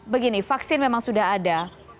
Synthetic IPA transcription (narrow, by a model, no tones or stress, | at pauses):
bəɡinifaksɪnmemaŋsudaɦada